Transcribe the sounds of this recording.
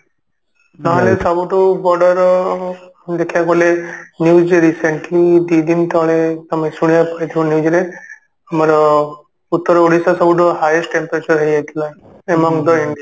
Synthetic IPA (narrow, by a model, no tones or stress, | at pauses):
naɦɔlesɔbuʈɔbɔɖɔɾɔ | d̪ekʰijaɡɔlenjud͡ʒeɾiseɳʈlid̪id̪int̪ɔɭesamesuɽ̃ijapɔɾit̪ʰibɔnjud͡ʒɾe | amɔɾɔ | ut̪ːɔɾɔoɽisasɔbuʈ̬ɔɦajesʈʈempɾet͡ʃɔɾɦejɦajt̪ʰila | emɔŋd̪ɔiɳɖia